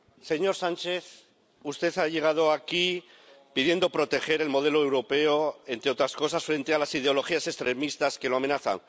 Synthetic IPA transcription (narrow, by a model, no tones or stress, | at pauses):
se̞ɲo̞ɾsãnt͡ʃe̞θ | ust̪e̞θaʝe̞ɣ̞að̞o̞aki | piðje̞nd̪o̞pɾo̞t̪e̞xe̞ɾe̞lmo̞ð̞e̞loe̞wɾo̞pe̞oent̪ɾeo̞t̪ɾasko̞sasfɾe̞nt̪ealasið̞eo̞lo̞xiase̞st̪ɾe̞mist̪aske̞loame̞naθa̰ŋ